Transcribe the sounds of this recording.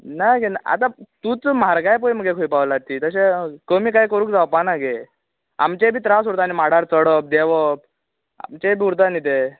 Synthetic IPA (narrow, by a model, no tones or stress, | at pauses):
naɡenaa̰t̪at̪ut͡smaɾɡajpəjm̤əɡekʰojpaʋlat̪ːiːt̪əɕekəmiːkajkəɾuːkd͡zawpanaɡe | a̰mt͡ɕebʱiːt̪ɾas̬uɾt̪animaɽ̤aɾt͡səɽəp̚d̪eʋəp̚ | a̰mt͡ɕebʱiːuɾt̪anit̪e